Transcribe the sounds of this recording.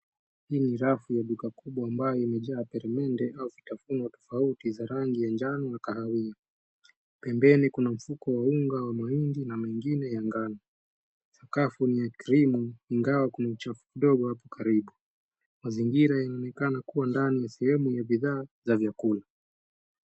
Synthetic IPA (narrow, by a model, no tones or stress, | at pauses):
hiːniɾafujaɗukakuɓwaːmbajɔimɛʄaːpɛɾɛmɛndɛʔauvitafunwatɔ̥fautizaɾaŋɡijand͡ʒanɔnakahawia | pɛmbɛnikunam̩fukɔwauŋɡawamahindinamaiŋɡinɛjaŋɡanɔ | sakafunijakɾimuiŋɡawakunaut͡ʃafu̥kiɗɔɠɔhapɔkʰaɾiɓu | maziŋɡiɾajanaɔnɛkanakuwandanijasɛhɛmujaɓiðaːzavjakula